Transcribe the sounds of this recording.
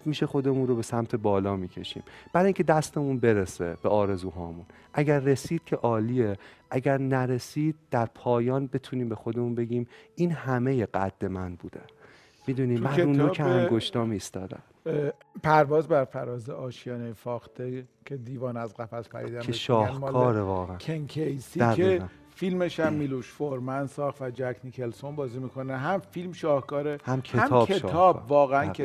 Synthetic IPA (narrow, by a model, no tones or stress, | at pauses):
t̪miːʃe̞xo̞d̪e̞munro̞be̞sæmt̪ʰe̞bɒːlɒːmiːcʰe̞ʃḭːmb̥æɾiŋcʰʲe̞d̪æst̪e̞munbe̞ɾese̞b̥eɒːɾe̞zuːɦɒːmun | ʔæɟæɾːe̞siːd̪̥̚cʰe̞ʔɒːliːeʔæɟæɾnæɾe̞siːd̪̚d̪̥æɾpʰɒːjɒːnbe̞t̪ʰuːniːmbe̞xo̞d̪emunbe̞ɡʲiːmiːnhæme̞jeɢæd̪̥ːe̞mænbuːd̪e̞ | miːd̪uniːmmæunoːkʰeæŋɡoʃt̪ɒːmiːst̪ɒːd̪æ̰m | pʰæɾvɒːzbæɾfæɾɒːzeʔɒːʃijɒːnejfɒːxt̪ʰecʰe̞d̪iːvɒːnæzɣæfæspʰæ̰ɾḭːd̪æmeʃʃɒːhmɔkːlʰɒːeːɾevɒːɣeækʰeŋkʰejsid̪æeæ | filmeʃæmːiloʃfoɾmænsɒːxt̪væd͡ʒækʰnicʰelsonbɒːzimikʰoneɦæmfilmʃɒːhkɒːɾehæmkʰeæmʰɒːeɒːbvɒːɣeænʰe